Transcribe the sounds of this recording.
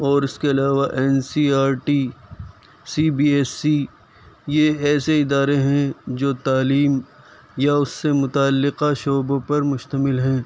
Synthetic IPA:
ɔːɾɪskeɐlaːʋaʔɛːnsiːaːɾʈiː | siːbiːɛːsi | jeɛːseɪd̪aːɾeɦɛ̃d͡ʒoːt̪aːliːm | jaʊsːemʊt̪aːlːɪqaʃoːbõpɐɾmʊʃt̪əmɪlɦɛ̃ː

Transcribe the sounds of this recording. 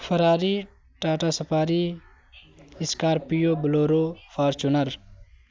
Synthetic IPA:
fɐɾaːɾiː | ʈaːʈaːsɐpʰaːɾiː | ɪskaːɾpijoːbloːɾoːfʰaːɾt͡ʃunɐɾ

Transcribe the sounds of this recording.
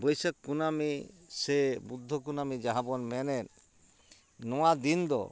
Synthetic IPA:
bɔjsəkːunamisebud̪ʱːɔk̬unamid͡ʒaɦabɔnmɛnɛn | nɔwad̪ind̪ɔ̰

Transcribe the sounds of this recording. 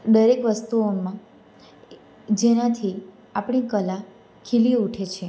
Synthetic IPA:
d̪əɾekʋəst̪uomã | d͡ʒenãt̪ʰi | apɳ̃ikəla | kʰilieuʈʰet͡ʃʰe

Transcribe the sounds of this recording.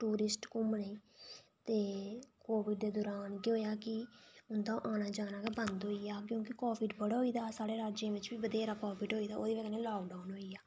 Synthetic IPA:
ʈuːɾɪsʈkʊmnəĩːt̪eːkoːʋɪɖd̪eːd̪ʊɾaːnkoːjaːkɪʊnd̪ãʔaːnaːd͡ʒaːnaːɡeːbənd̪ɦoːiaːkjõːkɪkoːbɪɖbəɽaːɦoːiːd̪aːsaːɽeːɾaːd͡ʒẽːʋɪt͡ʃbiːbəd̪eːɾaːkɔːpɪɖɦoːiːd̪aːo̰ːd̪iːʋəɡnẽːlaːɡɖaːnɦoːiaː

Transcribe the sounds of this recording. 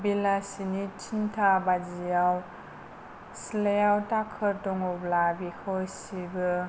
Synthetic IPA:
bilasinitʰintʰabad͡ʒijaw | silejawtakʰɯɾtɔŋɔblabikʰojsibɯ

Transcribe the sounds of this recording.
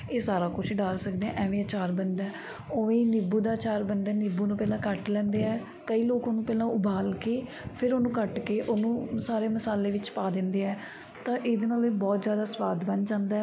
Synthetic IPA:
eːsaːɾaːkʊt͡ʃʰɖaːlsək̚d̪eːɛ̃ʔɛːʋẽːət͡ʃaːɾbənd̪ɛː | oːʋẽːnɪbuːd̪aːt͡ʃaːɾbənd̪ɛːnɪbuːnũːpɛːlãːkəʈlɛ̃ːnd̪eːɛː | kəiːloːkoːnũːpɛːlãːʊbʱaːlkeː | pʰɪɾoːnũːkəʈkeːʔoːnũːsaːɾeːməsaːleːʋɪt͡ʃpaːd̪ɪ̃nd̪eːɛː | t̪ãːʔeːd̪eːnaːleːbɔːt̪zjaːd̪aːsʋaːd̪bənd͡ʒãːnd̪aɛ

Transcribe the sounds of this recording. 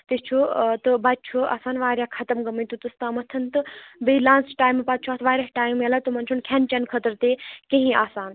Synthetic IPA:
t̪est͡ʃʰut̪ɨbat̪̚t͡ʃʰuʔa̰saːnʋaːɾjakʰat̪ɐmɡɐmɐjt̪ut̪ɨst̪aːmɐt̪ʰɐnt̪ɨbeilaːnsʈaːjmːepat̪̚t͡ʃʰuɐt̪ʰʋaːɾʲasʈaːjmːelat̪umɐnt͡ʃʰunkʰant͡ʃɐnkʰət̪əɾt̪ekẽɦĩaːsaːn

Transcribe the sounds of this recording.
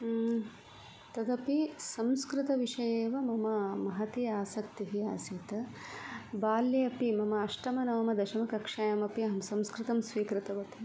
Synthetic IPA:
t̪ɐd̪ɐpisɐmskɾɪt̪ɐʋiʂɐjeːʋɐmɐmɐmɐɦɐt̪iaːsɐkt̪jɐɦia̰ːsit̪ɐ | baːlːjɐɐpimɐmɐɐʃʈɐmɐnɐʋɐmɐd̪ɐʃɐmɐkɐkʂaːjɐmɐpiɐɦɐmsɐmskɾɪt̪ɐmsʋiːkɾɪt̪ɐʋɐt̪i

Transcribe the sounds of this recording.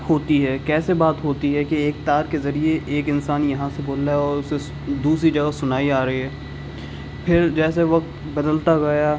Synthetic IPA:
hoːt̪iɦɛːkɛːsebaːt̪ɦoːt̪iɦɛkeeːk̚t̪aːɾkezɐɾieʔeːkɪnsaːnjɐɦãseboːlaɦɛɔːɾʊse | d̪uːsɾid͡ʒɐɡasʊnaːiaːɾɐɦiɦɛː | pʰɪɾd͡ʒɛːseʋɐk̚t̪ | bɐd̪əlt̪aɡɐja

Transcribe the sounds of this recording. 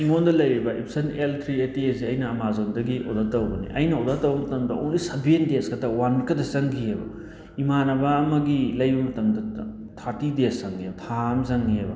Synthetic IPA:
iŋondɐlɐjɾibɐʔipʰsɐnelt̪ʰɾietiesiɐjnɐːmazondɐɡiʔo̰datɐwbɐnḭʔɐjnɐodatɐwbɐmɐtɐmdɐo̰nlisɐbiendeskɐdɐwankɐdɐsɐŋɡiebɐ̰ | imanɐbaːmɐɡilɐjbɐmɐtɐmdɐ | tʰaɾtidesɐŋɡiebɐtʰamzɐŋɡiebɐ

